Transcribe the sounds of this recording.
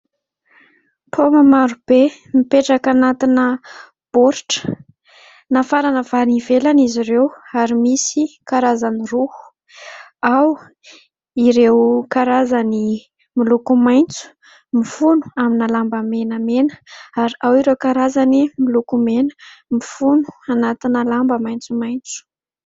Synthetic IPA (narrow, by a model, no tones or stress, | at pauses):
pʰomamaɾub̥e | mipeʈ͡ʂakanat̪inə | b̥oɾʈ͡ʂə̥ | nafaɾanəvaɾivelaniziɾewaɾimisikaɾazaniruhu̥ | aw | iɾewkaɾazani | milukumajnt͡su̥ | mifunu̥aminalambəmenəmenə̥aɾiawiɾewkaɾazanimilukumenmifunu̥anat̪inəlambəmajnt͡sumajnt͡su̥